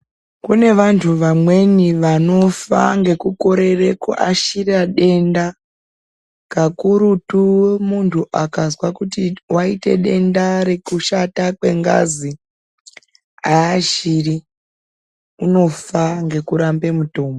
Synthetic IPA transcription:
kune̞ʋantʰuʋamwe̞niʋano̞fa̰ŋɡe̞kuko̞ɾe̞re̞ko̰ʔaʃiraɗe̞nda | kakuɾutuwmuntʰuʔakazwakutiwaite̞̰ɗe̞ndaɾe̞kuʃatakwe̞̰ŋɡa̰zi | aːʃiri | uno̞faŋɡe̞kuɾambe̞muto̞ːmbo

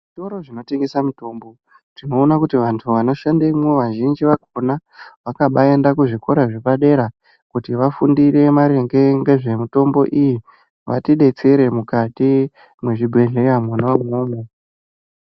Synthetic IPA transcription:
ʐʐito̞ɾo̞ʐino̞te̞ŋɡe̞samuto̞ːmbo̞ | tino̞ːnakutiʋantʰuʋano̞ʃandemweʋaʒind͡ʒiʋakonaʋakaɓae̞ndakuʐiko̞ɾaʐe̞paɗe̞ɾa | kutiʋafundiɾe̞maɾe̞ŋɡe̞ŋɡe̞ʐe̞mito̞mbo̞̰ʔiji | ʋa̰tiɗe̞t͡se̞ɾe̞mukati | mwe̞ʐibʱe̞ɮejamwanawamoːmo

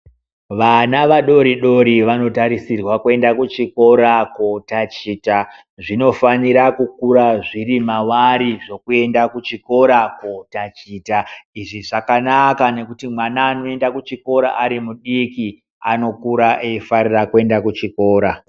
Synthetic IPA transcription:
ʋanaʋaɗo̞ɾiɗo̞ɾiʋano̞taɾisirwakue̞ndakut͡ʃiko̞ɾakotat͡ʃiːta | ʐino̞faniɾakukuɾaʐirimawaɾiʐo̞kue̞ndakut͡ʃiko̞ɾakotat͡ʃiːtaiʐiʐakanakane̞kutimwanaːno̞e̞ndakut͡ʃiko̞ɾa̰ʔaɾimuɗiki | a̰no̞kuɾaʔeifarirakue̞ndakut͡ʃiko̞ːɾa

